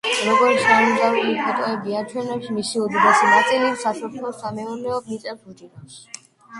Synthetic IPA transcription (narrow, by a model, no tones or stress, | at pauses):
ɾɔɡɔɾʃamiɡ̪auipʰɔt̪ʼɔɛbiat͡ʃʰwɛnɛpʃimisiud̪id̪ɛsinat̪sʼilisasɔpʰlɔsamɛuɾnɛɔbnit̪ʼɛp̚ʰut͡ʃ̪ʼinas